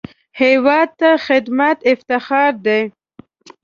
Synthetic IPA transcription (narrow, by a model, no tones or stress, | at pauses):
hewɑd̪̚t̪axɪd̪mat̪ɪft̪ɪxɑɾd̪e